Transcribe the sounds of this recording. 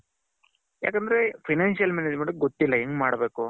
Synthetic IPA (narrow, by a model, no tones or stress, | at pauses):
ja̰ːkɐnd̪ɐɾe̞pʰɐjnaːnʃijɐlmɛned͡ʒmeɳʈuk̚ɡot̪ːilːɐeːŋɡmaːɽbeːku